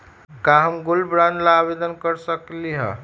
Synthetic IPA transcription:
kaɦəmɡulbɾanlaːbed̪ənkəɾsəkliɦə̰

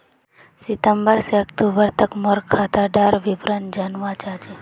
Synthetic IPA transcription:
sɪt̪əmbəɾseəkt̪uːbəɾt̪əkmoɾkʰːat̪aɖaɾʋɪpɾənd͡ʒanʋat͡ʃaːt͡ʃe

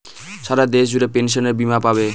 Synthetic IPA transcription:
saɾad̪esd͡ʒuɾepens̬ɔneɾbimapaβe

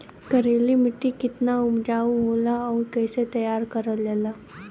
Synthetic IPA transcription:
kəɾelimiʈːikit̪naumd͡ʑauɦolaawɾkəjset̪əjaɾkəɾəljela

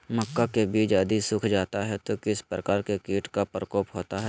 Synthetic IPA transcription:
mɐkːakebiːd͡ʒəd̪isʊkʰd͡ʒaːt̪aɦɛt̪okɪspɾəkaːɾkekiːʈkapɾəkɔːpɦoːt̪aɦɛː

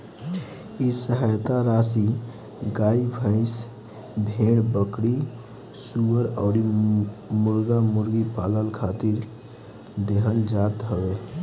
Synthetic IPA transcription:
isəɦajt̪aɾasi | ɡaibʱə̃ɪ̃s | bʱeɽbəkɽi | suəɾɔːɾi | mʊɾɡamʊɾɡipaləlkʰat̪iɾ | d̪eɦəld͡ʒat̪ɦəwe

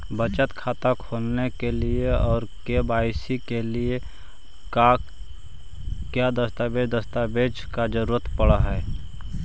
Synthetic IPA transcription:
bət͡ʃət̪kʰaːt̪akʰolnekelieɔːɾkebaːɪsikelie | ka | kjad̪əst̪abed͡ʒd̪əst̪abed͡ʒkad͡ʒəɾuɾət̪pəɽaɦɛː

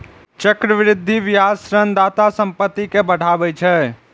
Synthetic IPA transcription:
t͡ʃəkɾəʋɾɪd̪ʱːiʋijasɾənd̪at̪asəmpət̪ːikebəɽ̤abɛt͡ʃʰɛ

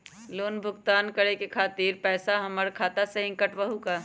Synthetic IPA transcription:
loːnbʱʊkt̪aːnkəɾekekʰaːt̪iːɾpɛːsaɦəməɾkʰaːt̪asẽɦɪ̃ŋkəʈbəɦuka

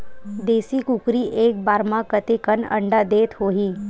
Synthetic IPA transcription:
d̪eːsikʊkɾiʔeːk̚baːɾmãkət̪ekənɐ̰̃ɳɖad̪eːt̪ɦoːɦiː

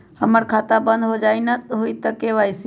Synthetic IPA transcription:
həməɾkʰaːt̪abə̃nd̪ɦod͡ʒaːinət̪ɦʊit̪əkeʋaːisi

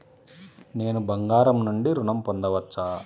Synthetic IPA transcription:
ne̞ːnubɐŋɡaːɾɐmnuɳɖiɾuɳɐmpond̪ɐʋɐt͡ʃːaː

